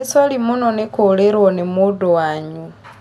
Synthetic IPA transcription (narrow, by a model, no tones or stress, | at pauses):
salimunonekoleɾwonemudowaɲu